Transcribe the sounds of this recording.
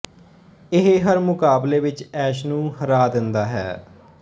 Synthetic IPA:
ɪɦɦəɾmʊkaːbleːʋɪt͡ʃɛːʃnũːhəɾaːd̪ɪnd̪aːɦɛ̰ː

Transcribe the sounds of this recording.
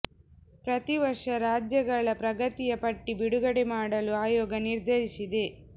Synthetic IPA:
pɾɐt̪iʋɐɾʂɐɾaːd͡ʒjɐɡɐɭɐpɾɐɡɐt̪ijɐpɐʈːibiɽuɡɐɽemaːɽɐluaːjɔːɡɐniɾd̪ʱɐɾisid̪e̞

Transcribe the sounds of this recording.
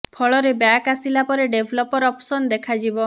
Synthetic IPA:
pʰɔɭɔɾebjakasilapɔɾeɖebʱɔlɔpɔɾɔpsɔnd̪ekʰad͡ʒibɔ

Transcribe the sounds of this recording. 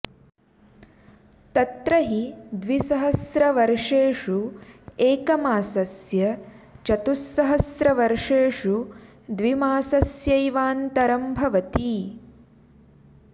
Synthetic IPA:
t̪ɐt̪ɾɐɦid̪ʋisɐɦɐsɾɐʋɐɾʂeːʂueːkɐmaːsɐsjɐt͡ʃɐt̪usːɐɦɐsɾɐʋɐɾʂeːʂu | d̪ʋimaːsɐsjɐjʋaːnt̪ɐɾɐmbʱɐʋɐt̪i

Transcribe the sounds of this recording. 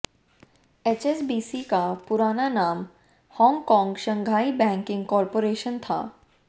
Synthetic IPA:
et͡ʃesbiːsikapʊɾaːnanaːm | hɔ̃ːŋɡkɔ̃ːŋɡʃə̃ŋɡʱaːibɛ̃ːŋkɪ̃ŋɡkɔːɾpoɾeːʃənt̪ʰa̰ː

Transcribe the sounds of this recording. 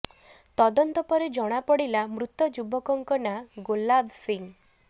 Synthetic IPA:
t̪ɔd̪ɔnt̪ɔpɔɾed͡ʒɔɽ̃apɔɽilamɾut̪ːɔd͡ʒubɔkɔŋkɔnaɡolabsiŋ

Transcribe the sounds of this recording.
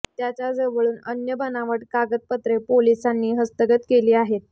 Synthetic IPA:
t̪jat͡ɕjad͡zəʋəɭuːnənjəbənaʋəʈkaɡət̪̚pət̪ɾepolisanːiːɦəst̪əɡət̪keliːaɦet̪̚

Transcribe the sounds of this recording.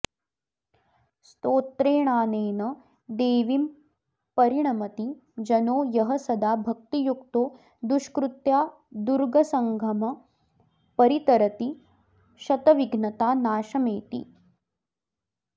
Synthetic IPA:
st̪oːt̪ɾeːɳaːneːnɐ | d̪eːʋim | pɐɾiɳ̃ɐmɐt̪i | d͡ʒɐnoːjɐɦɐsɐd̪aːbʱɐk̚t̪ijukt̪oː | d̪uʃkɾut̪jaː | d̪uɾɡɐsɐŋɡʱɐmɐ | pɐɾit̪ɐɾɐt̪i | ʃɐt̪ɐʋiɡnɐt̪aːnaːʃɐmeːt̪ḭ

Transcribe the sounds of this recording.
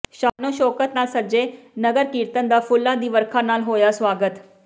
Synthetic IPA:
ʃaːnõːʃɔːkət̪naːlsəd͡ʒeːnəɡəɾkiːɾt̪ənd̪aːpʰʊlːãːd̪iːʋəɾkʰãːnaːlɦoːjaːswaːɡət̪

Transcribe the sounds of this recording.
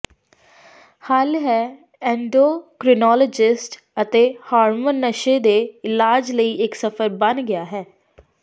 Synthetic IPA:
haːlɦɛː | ɛ̃ːɳɖoːkɾɪnɔːlɔd͡ʒɪsʈ | ət̪eːhaːɾmənːəʃeːd̪eːɪlaːd͡ʒləiːɪksəfʰəɾbənɡɪaːɦɛː

